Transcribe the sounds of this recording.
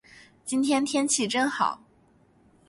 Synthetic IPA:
t͡ɕi˥nt̪ʰjɛ˥nt̪ʰjɛ˥nt͡ɕʰi˥˩ʈ͡ʂɤ˥ŋxɑ˨˩˦ʊ

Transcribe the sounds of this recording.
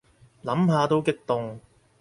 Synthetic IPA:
lɐ˨˥mɦaː˧t̪o˥wkɪ˥k̚t̪ʊ˨ŋ

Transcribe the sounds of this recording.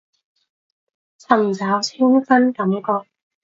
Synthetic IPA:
t͡sʰɐ˨˩mt͡saː˨˥wt͡sʰiː˥nfɐ˥nkɐ˨˦mkɔː˧k̚

